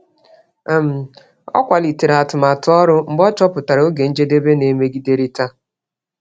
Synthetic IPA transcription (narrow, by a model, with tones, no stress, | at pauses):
m̩˨ | ɔ̰˦kʷa˨li˨te˨ɾa˨tʊ˨ma˨tʊ˦ɔ˦ɾʊ˦ŋ͡m̩˦ɡ͡bɔ˦t͡ʃɔ˦pʊ˨ta˨ɾo˦ɡe˨n̩˦d͡ʒe˦de˦be˦ne˨me˦ɡi˦de˦ɾi˦ta˦